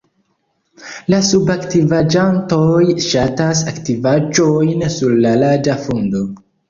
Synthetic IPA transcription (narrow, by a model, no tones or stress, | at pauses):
lasubaktivad͡ʒantojʃatas̬aktivad͡ʒojnsuɾːalad͡ʒafondo̞